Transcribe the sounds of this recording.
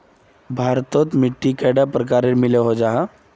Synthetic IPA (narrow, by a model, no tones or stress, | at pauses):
bʱaɾt̪ɔt̪miʈːikɛɖapɾəkaɾeɾmileɦod͡ʑaɦa